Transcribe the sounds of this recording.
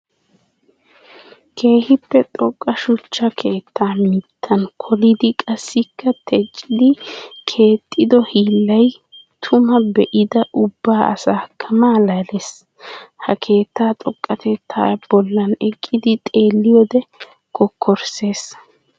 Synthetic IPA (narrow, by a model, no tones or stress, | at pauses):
kʰe̞ːhɪpːɛt̪ʼɔkʼːɐʃʊt͡ʃːɐkʰe̞ːt̪ʰːaːmɪt̪ʰːɐnkʰɔlɪd̪ɪkʼɐsːɪkːɐt̪ʰɛt͡ʃʼːɪd̪ɪkʰe̞ːt̪ʼːɪd̪ɔhiːlːɐj | t̪ʰʊmɐbɛʔɪd̪ɐʔʊbːaːʔɐ̰saːkʰɐmaːlɐles | hɐkʰe̞ːt̪ːaːt̪ʼɔkʼːɐt̪ʰɛt̪ʰːa̰ːbɔlːɐnɛkʼːɪd̪ɪt̪ʼe̞ːlːɪjɔd̪ɛ | kʰɔkʰːɔɾse̞ːs